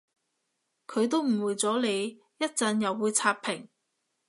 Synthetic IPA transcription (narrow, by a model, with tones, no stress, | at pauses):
kʰɵ˨˧ɥt̪o˥wm̩˨˩wuː˨jt͡sɔː˨˥le˨˧j | jɐ˥t̚t͡sɐ˨˧njɐ˨wːuː˨˧jt͡sʰaː˧p̚pʰɪ˨˩ŋ